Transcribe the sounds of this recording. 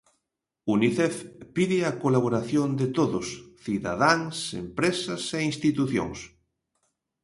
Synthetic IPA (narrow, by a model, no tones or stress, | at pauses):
uniθɛfpiðɪakolaβ̞oɾaθjond̪et̪oðosθiða̰ð̞aŋsḛmpɾesɐseinst̪it̪uθjo̰ŋs